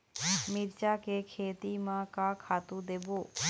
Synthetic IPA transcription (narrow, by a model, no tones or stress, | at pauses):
mɪɾt͡ʃakekʰeːt̪imãkakʰaːt̪ũd̪eːboː